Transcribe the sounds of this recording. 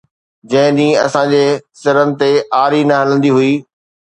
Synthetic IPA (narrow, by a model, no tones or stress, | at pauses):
d͡ʑɐ̃ɦɪ̃ɗ̪ĩːɐ̰sãd͡ʑeːsɪɾənɪ̆t̪eaːɾinɐɦɐlə̃nd̪iɦʊiː